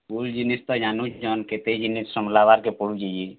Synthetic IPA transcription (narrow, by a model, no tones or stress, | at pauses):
buld͡ʒinist̪ɔjanut͡ʃd͡ʒɔnket̪ed͡ʒinissɔmlaβaɾkepɔɽud͡ʒid͡ʒi